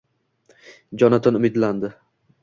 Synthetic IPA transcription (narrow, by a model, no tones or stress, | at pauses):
d͡ʒɒnat̪ʰanʊmɪd̪land̪ɪ